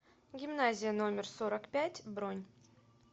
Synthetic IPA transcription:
ɡʲimnazʲɪjənomʲɪrsoɾəkpʲætʲbronʲ

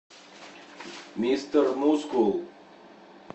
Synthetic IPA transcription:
mist̪ɐɾmuskul

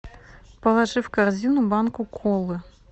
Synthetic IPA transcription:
pɐlˠaʐɨwkarzʲinubankukʰɔlˠɨ

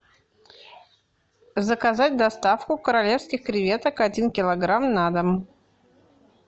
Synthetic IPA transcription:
zəkɐzatʲd̪ɐst̪afkʊkəɾɐlʲe̞fskʲɪxkɾʲɪvʲe̞t̪əkɐdʲinkʲɪlˠɐɡɾamnad̪əm

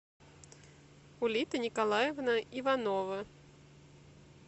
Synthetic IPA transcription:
ulʲit̪ɨnʲikalˠajɛvnɐivanɔvɐ

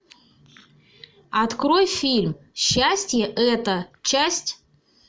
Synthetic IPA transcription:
at̪kɾojfʲilʲm | ɕːasʲtʲjɛʔɛt̪ət͡ɕasʲtʲ

